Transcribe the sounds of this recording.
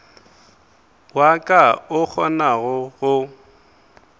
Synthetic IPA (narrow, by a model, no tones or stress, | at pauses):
wakʼaʊk͡xʰɔnaɣʊɣʊ